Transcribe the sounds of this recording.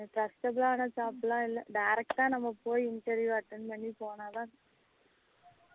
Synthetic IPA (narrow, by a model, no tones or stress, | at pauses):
ʈɾɐsʈɐblaːnɐt͡ʃaːplãːɪlːɐɖɐjɾɛk̚ʈãːnɐmːɐpoːjiɪɳʈɐɾjuɐʈːɐɳɖmɐɳːipoːnaːðãː